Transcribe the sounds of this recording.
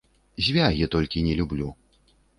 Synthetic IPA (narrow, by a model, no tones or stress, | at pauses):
zʲvʲaɣʲɛt̪ɔlʲkʲinʲɛlʲublʲu